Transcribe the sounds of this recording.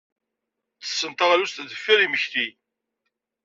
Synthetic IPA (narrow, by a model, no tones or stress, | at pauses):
t͡sə̥sːənt̪ɑʁlust̪ðəfːiɾiməçθi